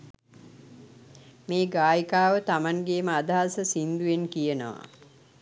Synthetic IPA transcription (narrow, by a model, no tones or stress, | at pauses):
meːɡaːjikaːʋət̪amanɡeːməad̪aɦasəsind̪ujenkijənəʋa̰